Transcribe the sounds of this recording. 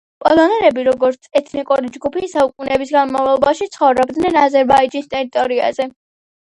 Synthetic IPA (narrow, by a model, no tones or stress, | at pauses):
pʼɔlˠɔnɛɾɛbiɾɔɡɔɾt̪sʰɛt̪ʰnikʼuɾid͡ʒɡupʰisaukʼunɛbisɡanmavlɔbaʃit̪sʰχɔvɾɔbd̪nɛnazɛɾbaid͡ʒinst̪ʼɛɾit̪ʼɔɾia̰zɛ